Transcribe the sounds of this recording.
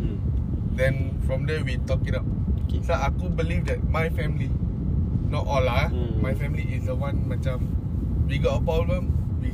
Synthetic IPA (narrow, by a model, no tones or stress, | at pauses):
dɛ̃nfɹɔ̃mdɛwit̪ɔkidat̚ | saʔakubilifdɛt̚majfɛ̃mili | nɔtʔɔlamajfɛ̃mliʔːsdəwãnmat͡ʃãmwiɡɔtəpɹɔblə̃mwi